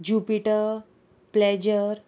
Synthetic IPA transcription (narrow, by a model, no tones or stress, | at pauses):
d͡ʑupiʈəɾ | plɛd͡ʑəɾ